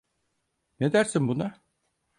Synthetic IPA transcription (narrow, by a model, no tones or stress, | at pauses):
ne̞d̪æɾsinbuna